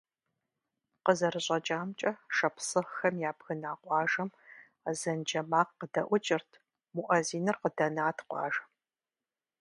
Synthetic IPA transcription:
qəzɐrɨɕʼɐt͡ʃʼaːmt͡ʃʼɐʂɐpʰsɨχxɐmjaːbɣɨnaːqʷʼɑːʒɐm | zɐnd͡ʒɐmaːqqədɐʔʷʊt͡ʃʼɪrtʰ | muʔɐziːnɨrqədɐnaːtʰqʷɑ̰ːʒɐ

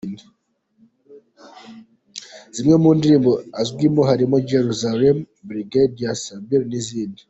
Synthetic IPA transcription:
ni | z̥imŋemuːndiɾiːmboazɡwimoɦaɾimoɟeɾuzalem | bɾiɡediasambiɾniziːndi

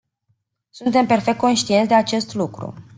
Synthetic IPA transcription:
sunt̪e̞mpe̞rfek̚t̪ko̞nʃt̪ije̞nsʲd̪e̞at͡ʃe̞st̪lukɾṵ

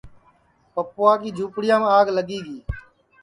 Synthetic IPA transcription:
pəpoːaːkiːd͡ʒʱuːpɽɪjãːmːaːɡləɠiːɡiː

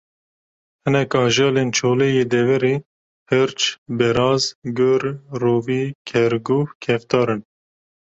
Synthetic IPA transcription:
hɨnɛkɑːʒɑːleːnt͡ʃʰoːlejeːd̪ɛvɛɾeː | hɨɾt͡ʃbɛɾɑːzɡʊɾroːviːkʰɛɾɡuhkʰɛft̪ɑːɾɨn

